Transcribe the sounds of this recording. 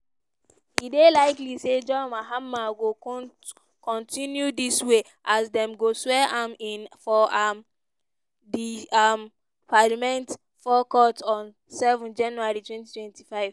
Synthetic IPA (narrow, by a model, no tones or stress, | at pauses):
idelaɪklised͡ʒɔmaɦamːaɡo | kʰɔ̃ntĩnjudiswe | ʔasdɛ̃mɡoswɛaminfɔʔam | diam | palimɛ̃nt | fɔkɔtɔ̃n | sɛvɔ̃nd͡ʒãnuaɹitwɛ̃ntitwɛ̃ntifaɪv